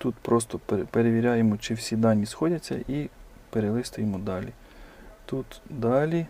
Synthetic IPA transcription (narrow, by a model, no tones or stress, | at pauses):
t̪ut̪pɾɔst̪ɔppeɾeʋʲiɾʲɑjemɔt͡ʃɪwsʲid̪ɑnʲːisxɔdʲɐt͡sʲːɐ̰ʔi | peɾelˠɪst̪ʊjemɔd̪ɑlʲi | t̪ut̪d̪ɑlʲi